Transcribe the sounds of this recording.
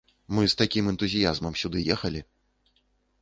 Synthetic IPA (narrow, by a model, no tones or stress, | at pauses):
mɨst̪akʲimɛnt̪uzʲijazmɐmsʲud̪ɨjɛxɐlʲi